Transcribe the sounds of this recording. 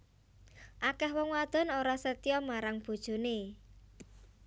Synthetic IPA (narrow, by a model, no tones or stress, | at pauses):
ʔakɛhwɔŋwad̪̥ɔ̤noɾasət̪ijɔmaɾaŋb̥ṳd̥ʒ̥ṳne